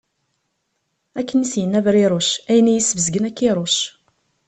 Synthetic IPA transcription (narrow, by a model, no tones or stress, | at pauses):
ækːənisjənːævɾiɾˤʊʃæjənæjisːvzɡənækːiɾˤoʃ